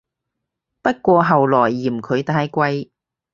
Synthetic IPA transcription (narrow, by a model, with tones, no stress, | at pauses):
pɐ˥t̚kʷɔː˧ɦɐ˨wlɔː˨˩jːiː˨˩mkʰɵ˨˧ɥt̪aː˧˥jkʷɐ˧j